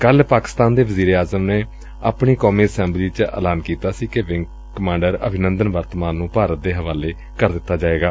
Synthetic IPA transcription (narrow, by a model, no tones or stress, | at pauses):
kəlpaːkɪ̥st̪aːnd̪eːʋəziːɾeːaːzəmneː | a̰ːpɳiːkɔːmiːəsɛ̃ːmbliːt͡ʃəə̰laːnkiːt̪aːsiːkeʋɪŋɡ | kəmãːɳɖəɾə̰bʱɪnənd̪ənʋəɾt̪mãːnːũːpaːɾət̪̚d̪eːɦəʋaːleː | kəɾd̪ɪt̪ːaːd͡ʒaːeːɡaː